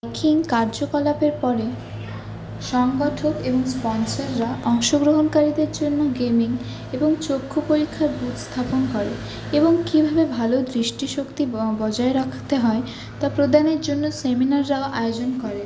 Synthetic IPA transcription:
kʰiŋkaɾd͡ʑokɔlapeɾpɔɾe | ʃɔŋɡɔʈʰokeboŋspɔnsaɾːaʔɔŋʃoɡɾoɦonkaɾid̪eɾd͡ʑonːoɡemiŋ | eboŋt͡ɕokʰːopoɾikʰːaɾbʱut̪st̪ʰaponkɔɾḛ | eboŋkibʱabebʱalod̪ɾiʃʈiʃokt̪ibɔd͡ʑaeɾakʰt̪eɦɔe | t̪apɾod̪aneɾd͡ʑonːoseminaɾːaoʔajod͡ʑonkɔɾe

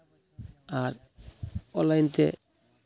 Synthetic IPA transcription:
aɾ | ɔlːajnt̪ḛ

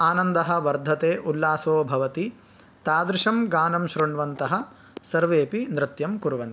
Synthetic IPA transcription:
aːnɐnd̪ɐɦɐ̆ʋɐɾd̪ʱɐt̪eːʔulːaːsoːbʱɐʋɐt̪i | t̪aːd̪ɾɪʂɐmɡaːnɐmʃɾuɳʋɐnt̪ɐɦɐ̆ | sɐɾʋeːpinɾɪt̪jɐmkuɾʋɐnt̪i

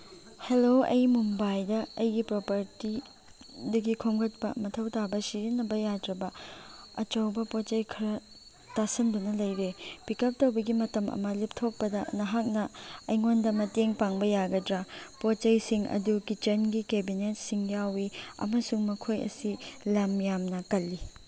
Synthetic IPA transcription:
heloɐ̰jmumbajdɐɐjɡipɾopɐɾti | dɐɡikʰomɡɐt̚pɐmɐtʰɐwtabɐsiɾinːɐbɐjadɾɐbɐɐt͡ʃowbɐpott͡ʃɐjkʰɐɾɐ | tasɐndɐnɐlɐjɾepikɐp̚towbɐɡimɐtɐmʔɐ̰mɐlip̚tʰok̚pɐdɐnɐɦak̚nɐɐjŋondɐmɐteŋpaŋbɐjaɡɐdɾapot͡ʃɐjsiŋɐ̰dukit͡ʃɐnɡikebinet̚siŋjawiɐ̰mɐsuŋmɐkʰojɐ̰silɐmjamnɐkɐlːi

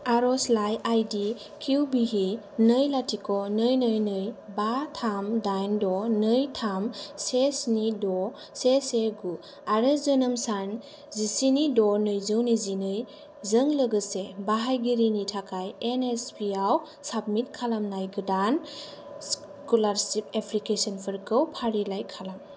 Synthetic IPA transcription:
aɾɔslajajdi | kʰiwbiɦi | nɯjlatʰikɔnɯjnɯjnɯjbatʰamdajndɔnɯjtʰamsesnidɔ | seseɡu | aɾezənɯmsan | zisinidɔnɯjzɯwnizinɯj | zəŋlɯɡɯsebaɦajɡiɾinitʰakʰajenespʰiaw | sab̚mit̚kʰalamnajɡɯdan | s | kulaɾsip̚epʰlikesɔnpʰɯɾkɯwpʰaɾilajkʰalam

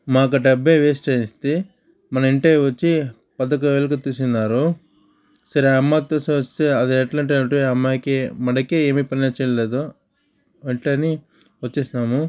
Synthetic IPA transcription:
maːk̬ɐɖɐbːeːʋeːsʈɐjist̪e | mɐnɐiɳʈeːʋɐt͡ʃːi | pɐd̪ɐk̬ɐʋeːlɐk̬ɐt̪uːsinːaːɾu | sɐɾeɐmːaːt̪oːsiɐst̪eɐd̪iɐʈlaɐɳʈ̬ɐɐɳʈuɐmːaːkemɐɽɐkeːeːmiːpɐnilɐt͡ʃːɛːjɐleːd̪o | eɳʈeɐni | ʋɐt͡ʃːeːsinaːmu

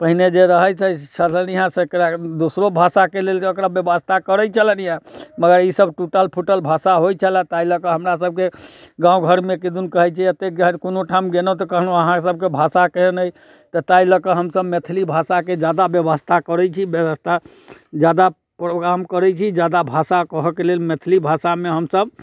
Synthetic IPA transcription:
pəɦined͡ʒeɾəɦət͡ʃʰɛt͡ʃʰələniɦãsekɾad̪osɾobʱasakelelseokɾabjəbəst̪ʰakəɾɛt͡ʃʰələniɦãməɡəɾisəbʈuʈəlpʰuʈəlbʱasaɦojt͡ʃʰəlɛ̃t̪ailəkəɦəmɾas̬əb̚keɡãũɡʱəɾmekid̪unkəɦɛt͡ʃʰɛət̪ek̚d͡ʒaɦnkonoʈʰamɡenɔt̪ɔkəɦnəɦãsəb̚kebʱasakəɦɛnəj | t̪ɔt̪ailəkəɦəmsəbmet̪ʰlibʱasaked͡ʒad̪abjəbəst̪ʰakəɾɛt͡ʃʰibjəbəst̪ʰa | d͡ʒad̪a | pɾoɡɾamkəɾɛt͡ʃʰid͡ʒad̪abʱasakəɦkelelmet̪ʰlibʱasameɦəmsəb

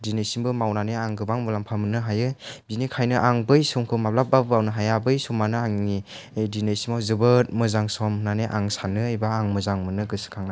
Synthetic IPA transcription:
dinesiŋbɯmawnaneaŋɡɯbaŋmɯlampʰamɯnɯɦajɯbinikʰajnɯʔaŋbɯjsumkʰɯmap̚lap̚babɯawnɯɦajabɯjsumːanɯaŋni | jdinesimawzɯbɯt̚mɯzaŋsɔmnaneʔa̰ŋsanɯajbaːŋmɯzaŋmɯnɯɡɯsɯ̥kʰaŋna

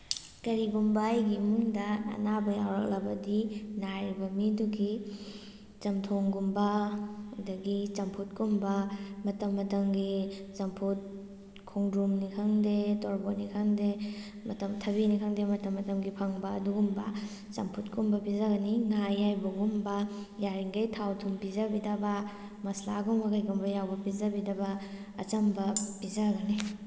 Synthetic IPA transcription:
kɐɾiɡumbajɡimuŋdɐɐ̰nabɐja̰wɾɐ̰k̚lɐbɐdinaɾibɐmiduɡi | t͡ʃɐmtʰoŋɡumbɐ | dɐɡit͡ʃɐmpʰut̚kumbɐmɐtɐmːɐtɐmɡizɐmpʰut̚ | kʰɔŋdɾumnikʰaŋdetɔɾbonikʰaŋde | mɐtɐmtʰɐbinikʰaŋdemɐtɐmːɐtɐmɡipʰaŋbɐɐ̰duɡumbɐ̰ | t͡ʃɐ̰mpʰutkumbɐpizaɡɐniŋajajbɐɡumbɐjaɾiŋɡɐjtʰawtʰumpizabidaba | mɐsla̰ɡɔŋɐkajɡumbɐjawbɐpizabidaba | ɐ̰t͡ʃɐmbɐpizaɡɐni

